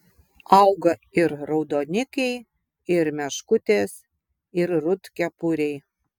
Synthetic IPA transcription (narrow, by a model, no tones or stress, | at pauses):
ɐʊɡɐɪɾɾɐʊd̪oːnʲɪkɛɪ | ɪɾmʲɛʃkʊt̪ʲeːs | ɪɾɾʊt̪kʲɛpʊɾʲɛɪ